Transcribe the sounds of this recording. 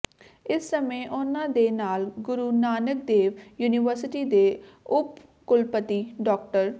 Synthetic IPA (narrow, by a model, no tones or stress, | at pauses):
ɪsːəmẽːʔʊnãːd̪eːnaːlɡʊɾuːnaːnək̚d̪eːʋjuːniːʋəɾsɪʈiːd̪eː | ʊp | kʊlpət̪iːɖɔːk̚ʈəɾ